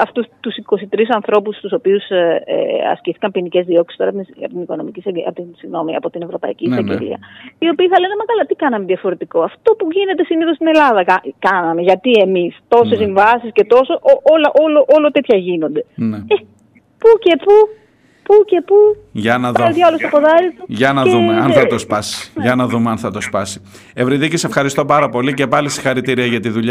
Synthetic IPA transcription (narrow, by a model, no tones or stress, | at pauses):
ɐft̪ust̪usiko̞sit̪ɾis̬ɐnθɾo̞pust̪uso̞piusḛɐ̰sciθi̥kɐmpinice̞zðio̞ksi̥st̪o̞ɾɐɐ̰pt̪iniko̞no̞̰micisɐɐ̰pt̪insiɣno̞miɐ̰po̞t̪ine̞vɾo̞pɐ̰ḭciːsɐɡḛlḭɐ̰io̞piːθɐle̞nemɐkɐlɐt̪ikɐnɐme̞ðiɐfo̞ɾe̞t̪iko̞ɐft̪o̞puʝine̞t̪e̞siniθo̞st̪ine̞lɐðɐkɐkɐnɐme̞ʝɐt̪ie̞mist̪o̞se̞siɱvɐsisce̞t̪o̞soʔoolɐʔoloʔolot̪e̞t̪çɐʝino̞nd̪e̞nee | puce̞pu | puce̞pu | ʝɐnɐðɐlt̪ɐolost̪opoðɐɾit̪uʝɐnɐeumeɐnθɐt̪ospɐsi̥ʝɐnɐðumeɐnθɐt̪o̞spɐsi̥ | evɾiðicise̞fxɐɾist̪o̞pɐɾɐpo̞lice̞pɐlisi̥xɐɾit̪iɾiɐʝɐt̪iðuʎɐ